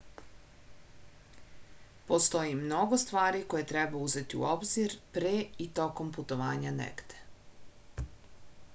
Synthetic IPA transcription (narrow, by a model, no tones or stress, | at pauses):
po̞st̪o̞jimno̞ɡo̞st̪ʋaːɾiko̞jet̪ɾebauze̞t̪iṵobziɾpɾeit̪o̞ko̞mput̪o̞ʋaːɲanḛɡd̪e̥